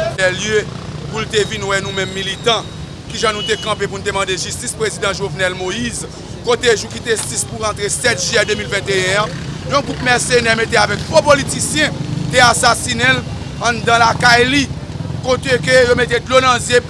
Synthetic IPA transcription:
ɛljø | pult̪evinwɛnũmɛ̃mːilit̪ɑ̃ | kiʒãnũt̪ekɑ̃pep̬un̩t̬emɑ̃d̪eʒystispʁezid̪ãʒovnɛlmoiz | kot̪eʒukit̪esispuʁɑ̃t̪ʁesɛt̪ʒɛd̪ømilvɛ̃t̪eɛ̃ãjɔ̃ɡʁup̚mɛʁsenɛmet̪eavɛk̚dopolit̪isjɛ̃t̪easasinel | ãd̪ãlakajli | kot̪ekøjomet̪̬ed̪lonãzje

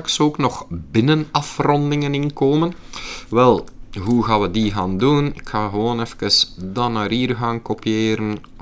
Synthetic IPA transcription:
ksoːknɔχbɪnənɑfrɔndɪŋənɪnkoːmənʋɛlˠɦuɣaːʋədiɣaːndunɪkxaːɣəʋoːnɛfkəsdanaːɾiːrɣaːnkopijeːɾən

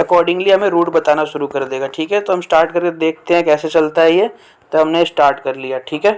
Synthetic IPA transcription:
ɐkɔːɾɖɪ̃ŋɡliɦɐmẽɾuːʈbɐt̪aːnaʃʊɾukɐɾd̪eːɡaʈʰiːkɦɛt̪oɦɐmsʈaːɾʈ̚kɐɾked̪eːk̚ʰt̪eɦɛ̃kɛːset͡ʃɐlt̪aɦiɦɛ | t̪oɦɐmnesʈaːɾʈkɐɾlijaʈʰiːkɦɛː

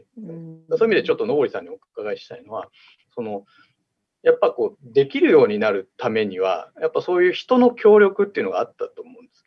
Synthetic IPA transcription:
d̪asoːimʲid̪et͡ɕo̞t̪ːo̞no̞ɡɾisãɲ̟ːio̞kkaɡaiɕi̥t̪aino̞βa | so̞no̞ | japːako̞ːd̪e̞kʲiɾɯ̟jo̞ːɲ̟inaɾɯ̟t̪ame̞ɲ̟iβa̰japːaso̞ːjɯ̟ːçi̥t̪o̞no̞kʲo̞ːɾʲjo̞kɯ̟t̪ːeɯ̟no̞ɡa̰at̪ːat̪o̞ːmo̞ɯ̃nd̪esɨ̥

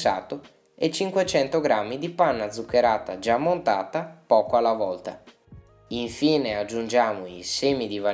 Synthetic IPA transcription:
sa̰ːt̪o | et͡ʃiŋkwet͡ʃɛnt̪oɡɾamːid̪ipanːad̪zːukːeɾaːt̪a̰d͡ʒamːont̪aːt̪apɔːkoalːavɔlt̪a̰ | iɱfiːnead͡ʒːund͡ʒaːmoiseːmid̪iva

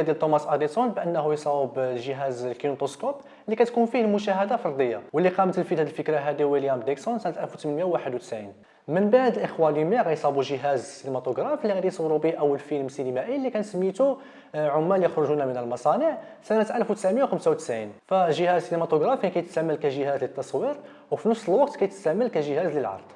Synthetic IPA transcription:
æd̪ilt̪ːˤomɑsʔɑɾisunbʔənːhujsˤɑbʒəɦæzlkinot̪oskop | lːikæt̪kunfihlmʊʃæɦəd̪afɑɾˤd̪ˤəjːɑwəlːiqɑmət̪əlfid̪hæd̪əlfəkɾaɦæd̪iwiljæmd̪iksʊnsænət̪ʔælfwt̪mənmjawːaħəd̪wt̪ə̥sʕin | mənbaʕd̪əlʔəxwælimæɣæjsˤɑbuʒəɦæzsinemæt̪oɡɾˤɑflːiɣæd̪ijsˤɑwɾubiʔəwːəlfilmsinimæʔilːikænsəmːit̪u | ʕʊmːæljəxɾʊʒunæmənəlmɑsˤɑniʕsænət̪ʔælfwt̪ə̥sʕmjawxəmsawt̪ə̥sʕinfæʒəhæzsinimæt̪oɡɾˤɑfikæjət̪sæmːəlkæʒəhæzlət̪ːɑsˤwiɾ | wfinəfsˤəlwɑqt̪kæjt̪əsæmːəlkæʒəhæzləlʕɑ̰ɾˤd̪̥ˤ

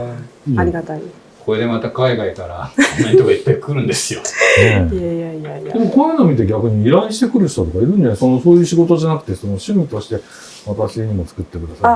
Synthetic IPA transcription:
ia | kʰo̞ɾed̪e̞mat̪akaiɡaikaɾa̰nːaɲit̪okait̪ːaikɯ̟ɾɯ̟̃nd̪e̞sɨjo̞nẽ | d̪e̞mo̞kõ̞nːanomʲit̪e̞ɡʲakɯ̟ɲ̟iːɾãĩɕi̥t̪e̞kɯ̟ɾɯ̟ɕt̪ot̪o̞kaiɾɯ̟̃nd͡ʑanaso̞no̞so̞ːjɯ̟ːɕiɡo̞t̪o̞ʑanakɯ̟t̪e̞so̞no̞ɕɨmʲit̪o̞ɕi̥t̪e̞ | mat̪aɕiɲ̟imo̞t͡sɨ̥kɯ̟t̪ːe̞kɯ̟d̪asa

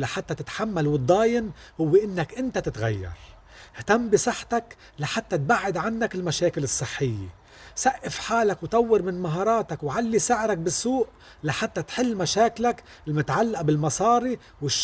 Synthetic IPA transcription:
laħat̪ːat̪ɪt̪ħamːalwɨd̪ˤːɑːjɪnhʊwːeʔɪnːakʔɪnt̪at̪ɪt̪ɣajːɑ̰ɾˤ | ht̪amːbɪsˤɨħːt̪ak | laħat̪ːat̪̚baʕːɪd̪ʕanːakɪlmaʃaːkɪlɨsˤːɨħːɪjːḛ | saʔːɪfħaːlakwt̪ˤɑwːɪɾmɪnmaɦɑːɾˤɑːt̪akwʕalːisɪʕɾak̚bɪsːuːʔ | laħat̪ːat̪ħɪlːmaʃaːklak | ɪlmʊt̪ʕalːaʔbɪlmɑsˤɑːɾi | wɪʃ

